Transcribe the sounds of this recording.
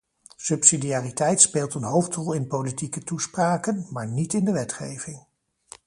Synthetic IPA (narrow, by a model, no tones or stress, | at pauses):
sɵpsidijaːritɛjtspeːlˠtənɦowftrɔlˠɪnpowlitikətuspraːkənmaːɹnitɪndəʋɛtχejv̥ɪŋ